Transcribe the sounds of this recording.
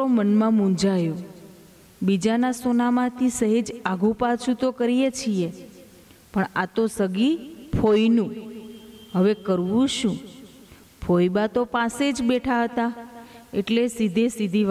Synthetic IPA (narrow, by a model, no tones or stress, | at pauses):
omənmãmũnd͡ʒajo | bid͡ʒanasonamãt̪ʰisəɦed͡ʒaɡʱũpat͡ʃʰut̪okəɾijet͡ʃʰie | pəɳat̪osəɡipʰojnũ | ɦəʋekəɾʋũʃũ | pʰojbat̪opãsed͡ʒbeʈʰaɦət̪aeʈlesid̪ʱesid̪ʱi